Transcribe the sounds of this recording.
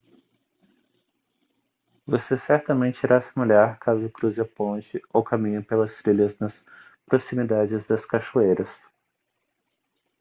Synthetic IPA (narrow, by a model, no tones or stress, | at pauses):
vosesɛɾt̪ɐmẽnt͡ʃɪiɾasemeʎaɾkʰazʊkɾuzapõt͡ʃɪowkamĩɲʊpelɐsfɾilɐznɐs | pɾosimid̪ad͡ʒɪzd̪ɐskaʃuejɾɐs